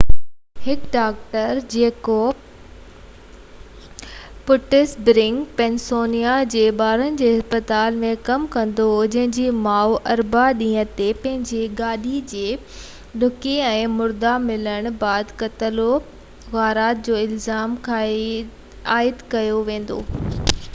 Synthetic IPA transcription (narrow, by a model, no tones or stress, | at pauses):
hɪkɖaːk̚ʈəɾd͡ʑeːko | pʊʈɪsbɾɪ̃ŋɡpɛnsoːnijad͡ʑeːɓaːɾənɪ̆d͡ʑeːɦɪspət̪aːlmẽkɐmkɐ̃nd̪oɦod͡ʑɐ̃ɦɪ̃ɲd͡ʑiːmaːuʔɐɾbaɗĩːət̪epɐ̃ɦɪ̃ɲd͡ʑeɡaːɗid͡ʑeː | ɗʊkeɛ̃ːmʊɾd̪amɪləɽ̃baːd̪kɐt̪əlo | ɣaːɾaːt̪̚d͡ʑoːɪlzaːmkʰaːe | aːɪd̪kɐjoʋẽːn̆d̪o̰ː